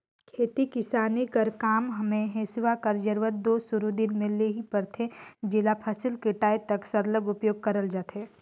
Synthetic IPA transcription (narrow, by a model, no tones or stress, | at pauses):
kʰeːt̪ikɪsaːnikəɾkaːmɦɐmẽɦẽsɪʋakəɾd͡ʒəɾʋət̪̚d̪oːsʊɾud̪ɪnmẽleɦipɐɾt̪ʰẽd͡ʒɪlapʰasɪlkɪʈaːet̪ɐksɐɾləɡʊpjoːɡ̚kɐɾəld͡ʒaːt̪ɦeː